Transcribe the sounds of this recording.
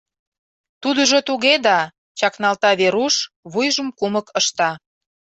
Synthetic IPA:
t̪ud̪əʒot̪uɣed̪ɑ | t͡ɕɑknɑlt̪ɑβeɾuʃ | βujʒə̆mkuməkəʃt̪ɑ

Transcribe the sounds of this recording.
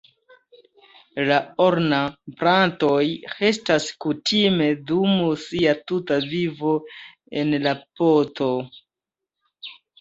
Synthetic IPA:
laoɾnapɾanto̞jhe̞staskutime̞dumusiatutavivo̞ | e̞nlapoto̞

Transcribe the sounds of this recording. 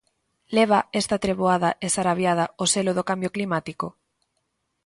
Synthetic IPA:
leβ̞aest̪at̪ɾeβ̞oaðaʔesaɾaβjað̞aoseloð̞okambjoklimat̪iko

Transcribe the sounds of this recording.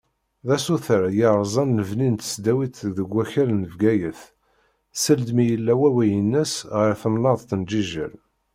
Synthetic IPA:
ðæsuθəɾjəɾˤzˤɑnːəvnint̪ə̥sd̪æwit̪ðəɡʷːæçəɾnəvɡæjəθ | səld̪mijəlːæwæwæjənːæsʁəɾθəmnɑðˤθənd͡ʒiʒə̰l

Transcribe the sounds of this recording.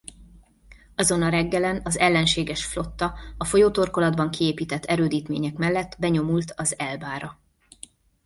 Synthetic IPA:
ɒzo̞nɒɾɛɡːɛlɛnɒzɛlːɛnʃeːɡɛʃflo̞t̪ːɒɒfo̞joːt̪o̞rko̞lɒd̪bɒŋkieːpiːt̪ɛt̪ːɛɾøːd̪iːt̪mḛːɲɛkmɛlːɛt̪ːbɛɲo̞mult̪ʰɒzɛlbaːɾɒ

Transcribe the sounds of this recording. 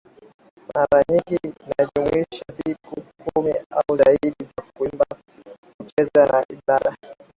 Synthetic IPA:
maɾaɲiŋɡinaʄumuiʃasikukumiauzaiɗizakuimba | kut͡ʃɛzanaʔiɓaɗa

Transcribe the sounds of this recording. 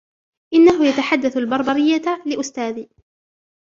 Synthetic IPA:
ʔɪnːaɦʊjat̪aħad̪ːaθalbɑɾˤbɑɾɪjːalɪʔʊst̪aːðiː

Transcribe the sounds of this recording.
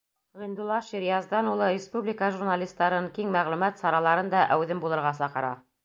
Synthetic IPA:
ʁĭnd̪ulˠːɑʃiɾjɑzd̪ɑnulˠɤɾʲɪspublʲɪkəʒuɾnalʲist̪ːɑɾɤɴkiŋmæʁlʉmæt̪sɑɾɑlˠɑɾɤnd̪ɑʔæwðɘmbulˠɤ̆ɾʁɑsɑqɤ̆ɾɑ̰

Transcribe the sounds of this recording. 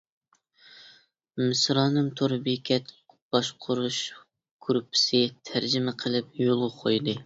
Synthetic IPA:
mɪsɾɑːnɨmt̪ʰoɾbikʲʰɛt̪ | b̥ɑʃqʰʊɾuʃ | ɡ̥ʰuɾupʰːɪ̥sɪt̪ʰæɾd͡ʒɪmɛqʰəlˠɪp̚jolˠʁɑqʰojd̪ɨ

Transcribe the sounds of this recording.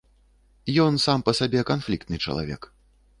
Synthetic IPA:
jɔnsampɐsabʲɛkanflʲik̚t̪nɨt͡ʂɐ̰lˠa̰vʲɛ̰k

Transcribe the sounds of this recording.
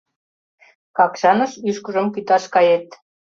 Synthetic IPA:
kɑkʃɑnə̆ʃyʃkəʒə̆mkyt̪ɑʃkɑjet̪

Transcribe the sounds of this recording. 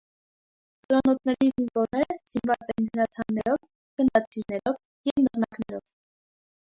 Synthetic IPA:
t̪ɔɾɑnɔt͡sʰnɛɾizinvɔɾnɛɾəz̥invɑt͡sɛjinhəɾɑt͡sʰɑnːɛɾɔv | ɡ̥ənd̪ɑt͡sʰiɾnɛɾɔv | jɛvnərnɑknɛɾɔ̰v̥

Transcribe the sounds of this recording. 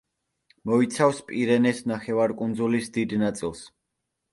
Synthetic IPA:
mɔit̪sʰafspʼiɾɛnɛsnaχɛvaɾkʼund̪zulisd̪id̪nat̪sʼilˠs

